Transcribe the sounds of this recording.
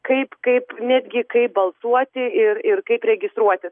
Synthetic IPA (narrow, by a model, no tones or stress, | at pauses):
kɐɪpkɐɪpnʲæːd̪ʲɡʲɪkɐɪp̚bɐlˠsuɔt̪ʲɪɪrɪrkɐɪpɾʲɛɡʲɪst̪ɾuɔt̪ʲɪ